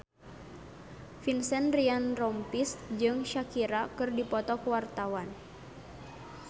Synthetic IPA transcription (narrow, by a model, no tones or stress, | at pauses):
finsɛnrianrɔmpisd͡ʒɨŋʃakiɾakɨrdipɔt̪ɔkəwart̪awan